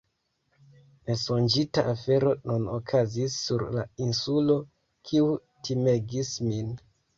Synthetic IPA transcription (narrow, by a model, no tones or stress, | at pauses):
ne̞sond͡ʒitaʔafe̞ɾo̞nunokʰazisːuɾla̰insulo̞ | kʰiu | tʰime̞ɡismin